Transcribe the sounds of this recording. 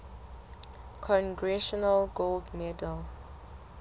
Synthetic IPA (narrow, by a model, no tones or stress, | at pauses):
kʰɔ̃nɡɹɛʃɔnəlɡoldmɛdəl